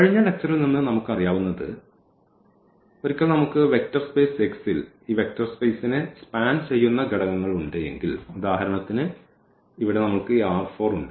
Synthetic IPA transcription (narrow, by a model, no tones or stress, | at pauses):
kɐɻiɲːɐɭe̞k̚t͡ɕːɐrilninːɨnɐmukːɨɐrijaːʋunːɐðɨ̰ | oɾikʲːɐɭnɐmukːɨʋe̞k̚tɐrspeːseksil | iːʋe̞k̚tɐrspe̞ːsinɨspaːnt͡ɕe̞jːunːɐɡeɽɐŋɐŋːɐɭuɳɖeje̞̰ŋɡilud̪aːhɐɾɐɳɐt̪ːinɨ | iʋiɽe̞nɐmukːɨiaːrfo̞ːruɳɖɨ